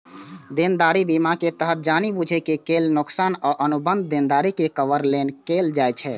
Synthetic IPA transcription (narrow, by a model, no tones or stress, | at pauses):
d̪end̪aɾibimaket̪əɦət̪̚d͡ʒanibud͡ʒʱɛkekelnoksanɔːɾʔənubənd̪̚d̪end̪aɾikekəʋəɾlenkeld͡ʒajt͡ʃʰɛ